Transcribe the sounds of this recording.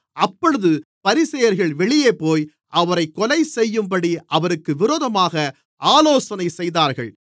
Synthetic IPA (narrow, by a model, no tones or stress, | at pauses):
ʔɐpːɔɻɯðɯpɐɾɪsɐjɐɾɣɐɭʋɛɭɪjeːpoːj | ʔɐʋɐɾɐɪkːɔlɐɪsɛjːɯmpɐɽiʔɐʋɐɾɯkːɯʋɪɾoːðɐmaːɣɐ | ʔaːloːsɐnɐɪsɛjðaːɾɣɐ̰ɭ